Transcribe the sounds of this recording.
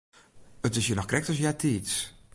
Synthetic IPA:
ətɪsjənɔxkrɛk̚təs̬jatʰiːts

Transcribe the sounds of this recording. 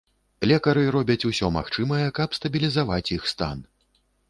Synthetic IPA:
lʲɛkɐɾɨɾɔbʲɐt͡sʲusʲɔma̰xt͡ʂɨmɐjɛkɐpst̪ɐbʲilʲizavat͡sʲjixst̪a̰n

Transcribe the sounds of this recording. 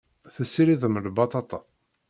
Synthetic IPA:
θəsːiɾiðəməlbɑt̪ˤɑt̪ˤɑ

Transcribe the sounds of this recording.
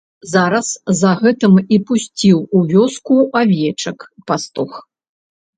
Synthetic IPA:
zaɾɐszɐɣɛt̪ɨmipusʲt͡sʲiwuvʲɔskuʔavʲɛt͡ʂɐkpast̪ux

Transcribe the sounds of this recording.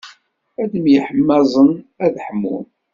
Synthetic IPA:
æd̪əmjəħəmːɑzˤənæðħəmːṵn

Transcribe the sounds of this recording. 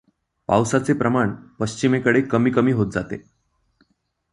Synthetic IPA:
pa̰wsat͡sepɾəmaɳpəɕt͡ɕimekəɽekəmiːkəmiːɦot̪̚d͡za̰t̪ḛ

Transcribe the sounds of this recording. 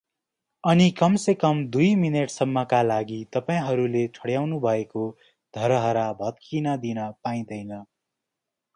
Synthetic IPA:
ʌnikʌmsekʌmd̪ujmineʈsʌmːʌkalaɡit̪ʌpaĩɦʌɾulet͡sʰʌɽjawnubʱʌeko | d̪̥ʱʌɾʌɦʌɾabʱʌt̪kinʌd̪inʌpaĩd̪ʌjnʌ

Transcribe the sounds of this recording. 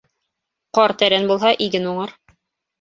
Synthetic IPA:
qɑɾt̪æɾænbulˠɦɑʔiɡɘnuɴɤɾ

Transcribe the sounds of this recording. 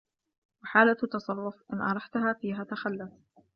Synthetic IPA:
wɪħaːlat̪ːɑsˤɑrˤːʊfʔɪnʔɑ̰ɾˤɑħt̪ʊhaːfiːɦaːt̪axalːas

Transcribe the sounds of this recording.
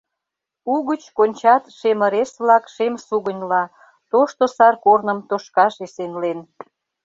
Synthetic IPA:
uɣət͡ɕkonʲt͡ɕɑt̪ʃemə̆ɾesβlɑkʃemsuɣənʲlɑ | t̪oʃt̪osɑrkornəmt̪oʃkɑʃesenlen

